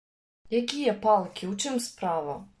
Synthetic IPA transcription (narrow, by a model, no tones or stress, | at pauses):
jɐkʲijɛpɑlˠkʲiuwt͡ʃɪmspɾɑʋɐ